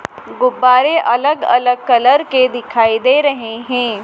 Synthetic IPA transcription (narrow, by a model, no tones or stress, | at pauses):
ɡʊbːaːɾeʔɐləɡɐ̰ləɡ̚kɐləɾked̪ɪkʰaːid̪eɾɐɦeɦɛ̃ː